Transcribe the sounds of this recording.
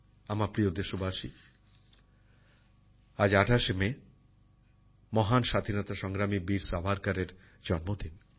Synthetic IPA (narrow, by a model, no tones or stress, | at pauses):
amapɾiod̪eʃobaʃi | ad͡ʑaʈʰaʃeme | mɔɦanʃad̪ʱinɔt̪aʃɔŋɡɾamibiɾsabʱaɾkaɾeɾ | d͡ʑɔnmod̪ʱin